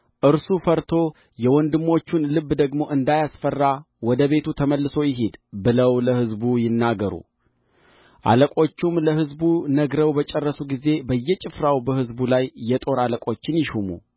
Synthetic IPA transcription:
ʔɨɾsufəɾt̪ʰo̞ | jɛwɔnd̪ɨmːo̞t͡ʃːunlɨbːd̪əɡmo̞ʔɨnd̪ajasfərːa | wɔd̪əβe̞t̪ʰut̪ʰəməlːɨso̞jɪɦed̪bɨləwləhɨzbujɪnːaɡəɾṵ | ʔa̰ləkʼo̞t͡ʃːumləɦɨzbunəɡɾəwbət͡ʃʼɛrːəsuɡize̞bəjːɛt͡ʃʼɪfɾawbəhɨzbulajːɛt̪ʼo̞ɾaləkʼo̞t͡ʃːɪnjɪʃumṵ

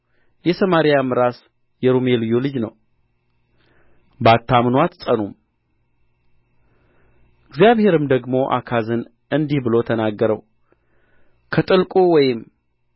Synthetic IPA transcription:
jɛsəmaɾijamɨɾas | jɛɾumelɨjolɨd͡ʒnəw | bat̪ʰːamnwat̪sʼənum | ɪɡzijaβhe̞ɾɨmd̪əɡmo̞ʔa̰kʰazɨn | ɨnd̪ihbɨlo̞t̪ʰənaɡːəɾəw | kʰət̪ʼɨlkʼuwɔjɪm

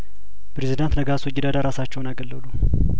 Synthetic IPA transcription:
pɾezid̪ant̪nəɡaswɔd͡ʒɪd̪ad̪aɾasat͡ʃːɛwnaɡəlːəlu

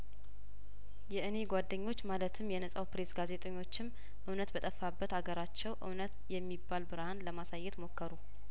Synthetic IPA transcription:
jɛʔɨne̞ɡʷad̪ːəɲːo̞t͡ʃːmalət̪ʰɨmjɛnəsʼawpɾe̞sɡaze̞t̪ʼəɲːo̞t͡ʃːɪm | ʔɨwnət̪bət̪ʼəfːabːət̪aɡəɾat͡ʃːɛwʔɨ̰wnət̪jɛmːibːalbɨɾhanləmasajːɛt̪mo̞kʰːəɾu

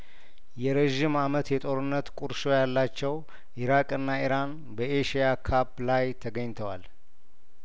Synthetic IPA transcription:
jɛɾeʒɪmamət̪jɛt̪ʼo̞ɾɨnːət̪kʼuɾʃo̞jalːat͡ʃːɛw | ʔiɾakʼɨnːaiɾan | bəʔeʃijakʰaplajt̪ʰəɡəɲt̪ʰəwal

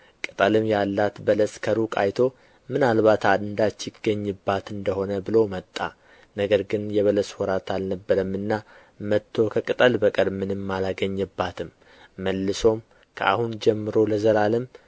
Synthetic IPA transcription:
kʼɨt̪ʼəlɨmjalːat̪bələskʰəɾukʼa̰jt̪ʰo̞ | mɨnalβat̪ʰad̪ɨnd̪at͡ʃːɪɡ̥əɲːɨbːat̪ɨnd̪əho̞nəbɨlo̞mət̪ʼːa̰ | nəɡəɾɡɨnjɛβələshɔɾat̪alnəbːəɾəmːɨnːa | mət̪ʰːo̞kʰəkʼɨt̪ʼəlbəkʼəɾmɨnɨmːalaɡəɲːɨbːat̪ʰɨmː | əlːɨso̞m | kʰə̰a̰hund͡ʒɛmːɨɾo̞ləzəɾalɨm

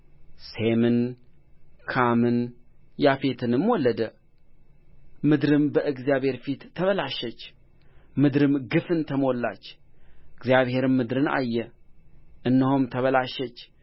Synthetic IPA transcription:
semɨn | kʰamɨnjafe̞t̪ʰɨnɨmwɔlːəd̪ə | mɨd̪ɾɨmbəʔɨɡzijaβhe̞ɾfit̪ʰːəβəlaʃət͡ʃː | mɨd̪ɾɨmɡɨfɨnt̪ʰəmo̞lːa̰t͡ʃːɨɡzjaβhe̞ɾɨmːɨd̪ɾɨna̰jːɛ | ʔɨnːəhumt̪ʰəβəlaʃət͡ʃː

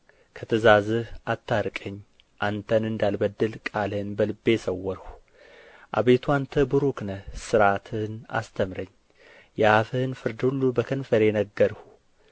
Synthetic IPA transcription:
kʰət̪ʰəzazɨhʔat̪ʰːaɾkʼəɲː | ʔant̪ʰənɨnd̪albəd̪ːɨlkʼalhɨnbəlɨbːe̞səwːɔɾhu | ʔa̰βe̞t̪ʰuant̪ʰəbuɾuknəhsɨɾat̪ʰɨhna̰st̪ʰəmɾəɲː | jɛafɨhɨnfɨɾd̪hulːubəkʰənfəɾenəɡːəɾhu

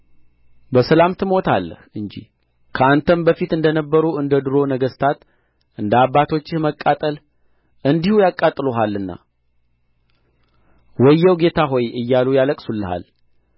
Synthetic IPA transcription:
bəsəlamt̪ʰɨmo̞t̪ʰalːə̰hɨɲd͡ʒḭh | kʰəant̪ʰəmbəfit̪ɨnd̪ənəbːəɾuʔɨnd̪əd̪ɨɾo̞nəɡəst̪ʰat̪ | ʔɨnd̪abːat̪ʰo̞t͡ʃːɪməkʼːat̪ʼəl | ʔɨnd̪ihujakʼːat̪ʼːɨloɦalːɨnːa̰ | wɔjːɛwɡe̞t̪ʰaɦo̞jɨjːalujaləkʼsulːəha̰l

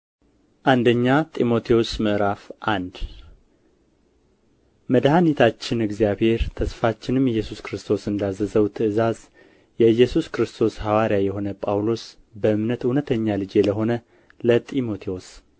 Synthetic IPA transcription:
ʔand̪əɲːat̪ʼimo̞t̪ʰewosmɨʔɾafʔand̪ | məd̪hanit̪ʰat͡ʃːɪnɨɡzijaβhe̞ɾt̪ʰəsfat͡ʃːɪnɨmjɛjːɛsuskɾɨst̪ʰo̞sɨnd̪azəzəwt̪ʰɨʔɨzaz | jɛɨjːɛsuskɾɨst̪ʰo̞shawaɾijajɛho̞nəpʼawlo̞s | bəɨmnət̪unət̪ʰəɲːalɨd͡ʒeləɦo̞nə | lət̪ʼimo̞t̪ʰewos

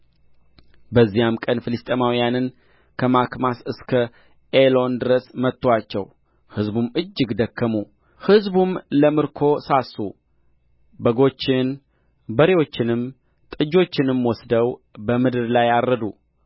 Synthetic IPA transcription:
bəzːijamkʼənfɨlɨst̪ʼemawijanɨn | kʰəmakmasɨskʰə | elo̞nd̪ɨɾəsmət̪ʼːwat͡ʃːɛ̰w | hɨzbumɨd͡ʒːɨɡd̪əkʰːəmu | hɨzbumləmɨɾkʰo̞sasːu | bəɡo̞t͡ʃːɪn | bəɾewo̞t͡ʃːɪnɨm | t̪ʼɨd͡ʒo̞t͡ʃːɪnɨmwɔsd̪əwbəmɨd̪ɨɾlajaɾːəd̪u

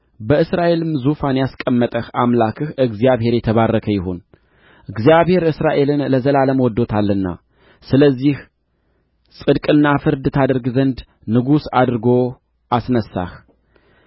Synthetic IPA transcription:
bəɨsɾaʔe̞lɨmzufanjaskʼəmːət̪ʼəhamlakʰɨhʔɨɡzijaβhe̞ɾjɛt̪ʰəβarːəkʰəjɪhon | ʔɨɡzijaβhe̞ɾɨsɾaʔe̞lɨnləzəlaləmwɔd̪ːo̞t̪ʰalːɨnːa̰ | sɨləzːih | sʼɨd̪kʼɨnːafɨɾd̪ɨt̪ʰad̪əɾɡzənd̪ | nɨɡusad̪ɾɨɡo̞ | ʔasnəsːa̰h

